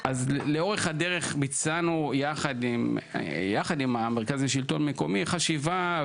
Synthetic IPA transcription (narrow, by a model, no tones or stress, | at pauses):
ʔazleo̞ʁe̞χhade̞ʁe̞χbit͡sanujaχadimjaχadimameʁkazaʃilto̞nme̞ko̞miχaʃiva